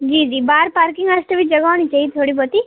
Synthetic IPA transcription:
d͡ʒiːd͡ʒiːbaːɾpaɾkɪŋɡasʈ̪əʋid͡ʒəɡaːʋnit͡ʃait̪ʰoːɽibot̪i

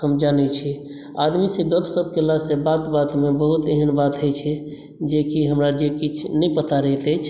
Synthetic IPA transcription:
həmd͡ʒanɛt͡ʃʰi | ad̪misẽɡəbsəb̚ʱkelasẽbat̪bat̪mebəɦut̪eɦənbat̪ɦəjt͡ʃʰɛ | d͡ʒekiɦəmɾad͡ʒekit͡ʃʰnəjpət̪aɾəɦt̪əjt͡ʃʰ

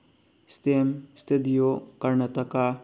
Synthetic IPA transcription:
st̪emst̪ʰed̪ijokɐɾnɐt̪ɐka

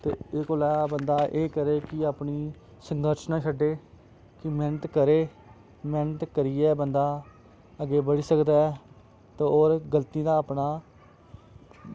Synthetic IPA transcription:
t̪ḛːɪkoːlaːbənd̪aːʔeːkəɾeːkɪaːpniː | səŋɡəɾʃnãːʃʰəɖːeː | kɪmɛːnət̪kəɾeː | mɛːnət̪kəɾiːɛːbənd̪aː | əɡeːbəɽiːsəkd̪aːɛ | t̪eːoːɾɡəlt̪iːd̪aːəpnaː

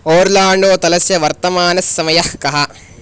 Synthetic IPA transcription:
oːɾlaːɳɖoːt̪ɐlɐsjɐʋɐɾt̪ɐmaːnɐsːɐmɐjɐhkɐɦɐ

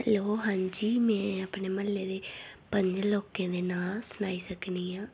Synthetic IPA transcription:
loːɦãːɲd͡ʒiːmɛ̃ːəpneːməlːeːd̪eːpəɲd͡ʒloːkẽːd̪eːnaːlsʊnaːiːsəkniːãː

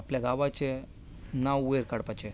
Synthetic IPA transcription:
apljaɡaʋat͡ɕe | nawueɾkaɽpat͡ɕe

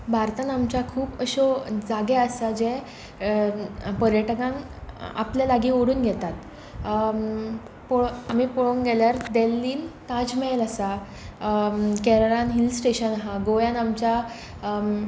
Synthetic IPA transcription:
bʱaɾt̪anamt͡ɕakʰuːpəɕod͡zaɡɛəsad͡ʑɛ | pəɾjəʈəkãŋ | a̰pljalaɡiːoɽuːnɡʱɛt̪at̪ | pɔɭamiːpɔɭoŋɡɛljaɾd̪elːiːnt̪ad͡zmɛləsa | kɛɾəɾãnɦilsʈeɕənɦaɡojãnamt͡ɕa

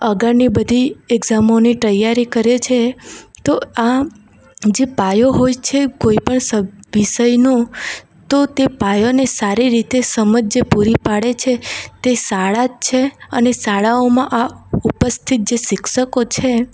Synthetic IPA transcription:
əɡaɾnibəd̪ʱiɛɡzamonit̪əjaɾikəɾet͡ʃʰet̪oa | d͡ʒepajoɦojt͡ʃʰekoipəɳsəʋiʃəjnũ | t̪ot̪epajonesaɾiɾit̪esəməd͡ʒd͡ʒepuɾipaɽet͡ʃʰet̪esaɭad͡ʒt͡ʃʰeənesaɭaomãʔaupəst̪ʰit̪̚d͡ʒeʃɪkʃəkot͡ʃʰe

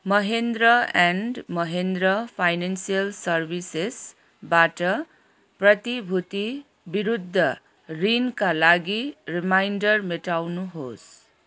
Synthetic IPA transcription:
mʌɦend̪rʌanɖmʌɦend̪rʌpʰajnansijʌlsʌrbʱises | baʈʌ | prʌt̪ibʱut̪i | biɾud̪ʱːʌ | rinkalaɡirimajnɖʌrmeʈawnuɦos

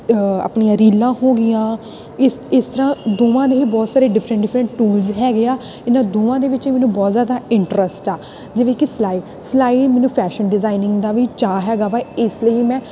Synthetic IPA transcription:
a̰pnijãːɾiːlãːɦoːɡɪjãː | ɪɪst̪əɾãːd̪oːʋãːd̪eːiːbɔːt̪saːɾeːɖɪfʰɾə̃ɳʈɖɪfɾəɳʈʈuːlzɦɛːɡɪaː | ɪnãːd̪oːʋãːd̪eːʋɪt͡ʃiːmɛːnũːbɔːt̪zjaːd̪aːɪɳʈɾəsʈaː | d͡ʒeːʋẽːkɪslaːiː | slaːiːmɛːnũːpʰɛːʃənɖɪzaːinɪ̃ŋɡd̪aːʋiːt͡ʃaːɦɛːɡaːʋaɪsləiːmɛ̃ː

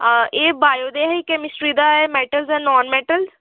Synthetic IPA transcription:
eːbaːjoːd̪eːɦiːkɛːmɪsʈɾiːd̪aːɛmɛːʈəlzɛ̃ːnɔːnmɛːʈəlz

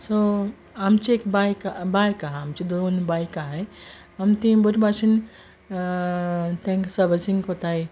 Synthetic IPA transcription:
so | amt͡ʃiekbajkabajkaɦamt͡ʃid̪onbajkaɦɛj | amt̪ĩbuʈbat͡ʃin | t̪ẽŋksəbəsiŋkot̪aj

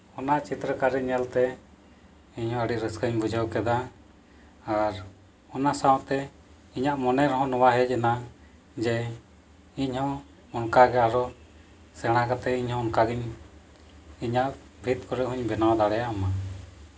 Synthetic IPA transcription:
ɔnat͡ʃit̪ɾəkaɾɛɲɛlt̪ɛ | iɲhɔ̃əɽiɾəskəɲbud͡ʒʱəwkɛd̪a | ɾ | ɔnasawt̪ɛ | iɲaʔmɔnɛɾɔɦɔ̃nɔwaɦɛc̚ɛna | d͡ʒɛ | iɲhɔ̃ | ɔnkaɡɛaɾɔ | sɛɽ̃akat̪ɛiɲhɔ̃ɔnkaɡiɲ | iɲaʔ | bʱit̪kɔɾɛɦuɲbɛnawad̪aɽɛjaʔama

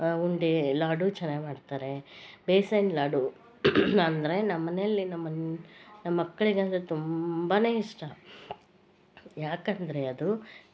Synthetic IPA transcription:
uɳɖilaːɖut͡ʃɐnaːɡmaːɖt̪aːɾe̞beːsɐjnlaːɖu | ɐnd̪ɐɾe̞nɐmmːɐneɐlːinɐmːɐnnɐmɐːɐkːɐɭiɡeɐnd̪ɐɾet̪umbaːne̞ːiʂʈɐ | jaːkɐnd̪ɐɾe̞ɐd̪u

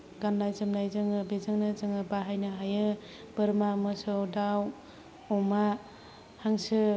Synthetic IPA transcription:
ɡanlajzɯmlajzɯŋɯbezɯŋnɯzɯŋɯbaɦajnɯɦajɯ | b̥ɯɾmamɯsɯwdaw | ɔma | haŋsɯ

